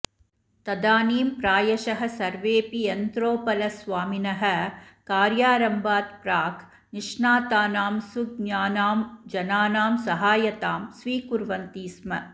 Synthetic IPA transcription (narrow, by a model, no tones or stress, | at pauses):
t̪ɐd̪aːniːmpɾaːjɐʃɐɦɐsɐɾʋeːpiɐnt̪ɾoːpɐlɐsʋaːminɐɦɐ̆kaːɾjaːɾɐmbaːt̪pɾaːkʰ | niʂnaːt̪aːnaːmsuɡ̚ɲaːnaːmd͡ʒɐnaːnaːmsɐɦaːjɐt̪aːmsʋiːkuɾʋɐnt̪iːsmɐ̰